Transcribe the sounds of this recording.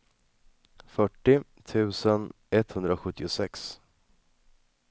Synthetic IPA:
fœʈːɪ | t̪ʰʉ̟ːsən | ɛt̪hɵnd̪ɾaɧɵt̪ːɪʊsɛks

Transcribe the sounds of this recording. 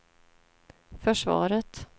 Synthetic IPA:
fœʂvɑ̰ːɾət̪

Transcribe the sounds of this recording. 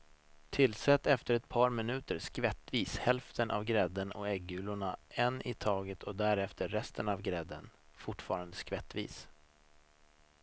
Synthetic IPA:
t̪ʰɪlːsɛt̪ːɛft̪əɾɛt̪pʰɑːɾmɪnʉ̟ːt̪əɾʂkvɛt̪ːviːshɛlft̪ʰənʔa̰vɡɾɛd̪ənɔ̰ɛɡːʉ̟ːlʊɳaɛnːɪt̪ʰɑːɡət̪ʰɔd̪æɾɛft̪ʰəːɛst̪ʰənavɡɾɛd̪ːə̰nfʊʈfɑːɾand̪əskvɛt̪ːvḭːs

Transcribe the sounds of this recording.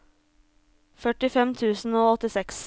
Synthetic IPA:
fœʈɪfɛmt̪ʰʉːsn̩oːɔt̪ɪsɛks

